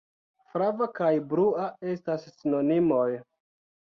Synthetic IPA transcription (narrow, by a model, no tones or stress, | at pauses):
fɾavakajbɾuae̞stasːino̞nimo̞j